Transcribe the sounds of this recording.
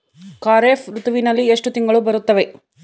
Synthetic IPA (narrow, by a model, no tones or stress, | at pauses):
kaːɾeːfɾut̪uʋinɐlːieʂʈut̪iŋɡɐɭubɐɾut̪ːɐʋe̞